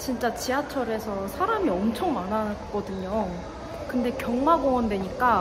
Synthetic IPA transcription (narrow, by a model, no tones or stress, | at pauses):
t͡ɕint͡ɕ͈at͡ɕiat͡ɕʰʌɾe̞sʰʌsʰaɾamiʌmt͡ɕʰʌŋmanak͈ʌdɯɲo | kɯnde̞kjʌŋmaɡoʌndwe̞ɲik͈a